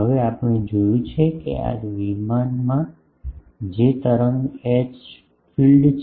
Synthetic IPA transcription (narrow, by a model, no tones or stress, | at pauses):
ɦəʋeapəɽ̃ed͡ʒojũt͡ʃʰekḛa̰d͡ʒʋimanmã | d͡ʒet̪əɾəmet͡ʃ | fʰilɖt͡ʃʰ